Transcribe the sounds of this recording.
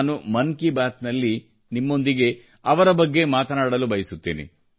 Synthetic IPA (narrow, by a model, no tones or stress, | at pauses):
numɐnkibaːt̪nɐlːi | nimːo̞nd̪iɡe̞ | ɐʋɐɾɐbɐɡːe̞maːt̪ɐnaːɽɐlubɐjisut̪ːḭːnḭ